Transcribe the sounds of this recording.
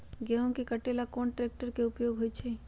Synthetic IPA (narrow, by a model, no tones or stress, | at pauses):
ɡɛɦõkekəʈelakoːnʈɾeːk̚ʈəɾkeʊpjoɡɦoːt͡ʃʰe